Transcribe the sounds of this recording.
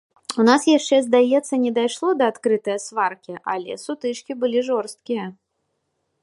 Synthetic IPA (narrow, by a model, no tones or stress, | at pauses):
unasjaʂt͡ʂɛzd̪ajɛt̪sːɐnʲɛd̪ajʂlˠɔd̪ɐːt̪kɾɨt̪ɐjɐsvarkʲiʔa̰lʲɛ̰sut̪ɨt͡ʂkʲibɨlʲiʐɔrst̪̚kʲijɐ